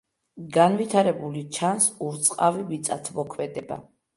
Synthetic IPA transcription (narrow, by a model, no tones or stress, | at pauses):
ɡanvit̪ʰaɾɛbulit͡ʃʰansuɾt̪sʼqʼavivit̪sʼa̰t̪ʰmɔkʰmɛd̪ɛba̰